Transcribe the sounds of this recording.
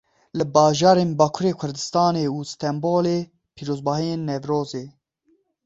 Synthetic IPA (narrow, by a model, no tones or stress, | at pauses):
lɨbɑːʒɑːɾeːnbɑːkʰuɾeːkʷʰʊɾd̪ɨst̪ɑːneːust̪ʰɛmboːleː | pʰiːɾoːzbɑːɦijeːnːɛvɾoːzeː